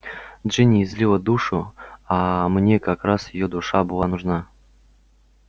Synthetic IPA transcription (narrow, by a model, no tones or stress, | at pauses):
d̪ʐɨnʲɪːzʲlʲilˠəd̪uʂʊamnʲekakɾasjɪjod̪ʊʂabɨlˠanuʐna